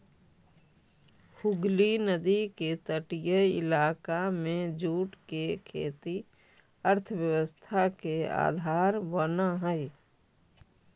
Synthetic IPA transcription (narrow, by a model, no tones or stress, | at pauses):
hʊɡlinəd̪iket̪əʈijəɪ̰laːkamẽd͡ʒuːʈkekʰḛːt̪i | əɾt̪ʰəwjəwəst̪ʰakea̰ːd̪ʱaːɾʋənaɦɛɪ